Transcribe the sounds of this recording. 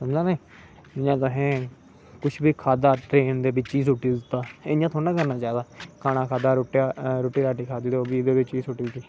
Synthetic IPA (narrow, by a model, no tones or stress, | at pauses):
səmd͡ʒãːnaː | ɪãːt̪ʊɦẽː | kʊt͡ʃʰbiːkʰaːd̪aːʈɾeːnd̪eːbit͡ʃiːsʊʈiːzt̪aːejãːt̪ʰoːnãːkəɾnaːt͡ʃaːɦd̪aːkʰaːnãːkʰaːd̪aːɾoːʈaɾoːʈiːɾaːʈiːkʰaːd̪iːd̪eoːbiːd̪eːbɪt͡ʃiːsʊʈiːsiː